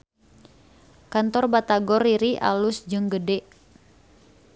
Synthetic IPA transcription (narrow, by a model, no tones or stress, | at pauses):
kant̪ɔrbat̪aɡɔriɾiʔa̰lusd͡ʒɨŋɡədɛʔ